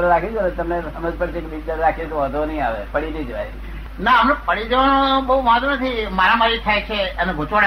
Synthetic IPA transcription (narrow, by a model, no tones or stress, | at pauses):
ɾeɾakʰid͡ʒʰonet̪əmnesəməd͡ʒpəɽt͡ʃʰekebid͡ʒd̪əɾeɾakʰit̪oʋad̪ʱʋonəĩaʋepəɽinid͡ʒəʋaji | naəmnepəɽid͡ʒəʋanobəɦuʋaɦd̪onət̪ʰimaɾamaɾit̪ʰajt͡ʃʰeəneɡʱot͡ʃʋaɽ